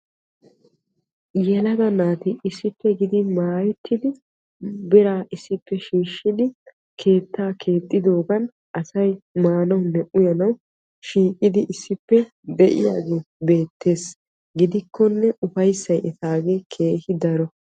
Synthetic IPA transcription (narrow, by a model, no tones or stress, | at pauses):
jɛlɐd̪ɐnaːt̪ɪɪsːɪpːɛɡɪd̪ɪmaːjɛt̪ʰːɪd̪ɪ | bɪɾaːʔɪsːɪpːɛʃiːʃːɪd̪ɪ | kʰe̞ːt̪ːaːkʰe̞ːt̪ʼːɪd̪o̞ːɡɐn | ʔɐsɐjmaːnɐwnːɛʔʊjɐnɐw | ʃiːkʼːɪd̪ɪʔɪsːɪpːɛ | d̪ɛʔɪ̰jaːɡeːbe̞ːt̪ːe̞ːs | ɡɪd̪ɪkʰːɔnːɛʔʊfɐjsːɐjʔɛt̪aːɡe̞ːkʰe̞ːhɪd̪ɐɾɔ